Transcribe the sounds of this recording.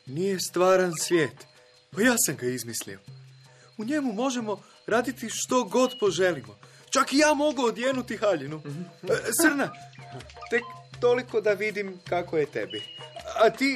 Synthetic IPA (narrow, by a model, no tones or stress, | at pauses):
nije̞st̪ʋaːɾansʋjeːt̪ | pajaːsamɡaizmislḭo | uɲe̞mumo̞ʒe̞mo̞ | ɾaːd̪it̪iʃt̪o̞ɡo̞d̪po̞ʒe̞limo̞ | t͡ʃakijaːmo̞ɡuod̪jeːnut̪ixaʎinu | t̪sr̩na | t̪e̞kt̪o̞liko̞d̪aʋid̪imkakojet̪e̞biat̪i